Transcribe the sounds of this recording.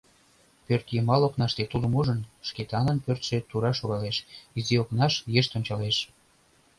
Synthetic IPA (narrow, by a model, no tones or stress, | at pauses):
pørt̪jəmɑloknɑʃt̪et̪ulə̆muʒənʃket̪ɑnə̆npørt̪ʃet̪uɾɑʃoɣɑleʃizioknɑʃjeʃt̪onʲt͡ɕɑleʃ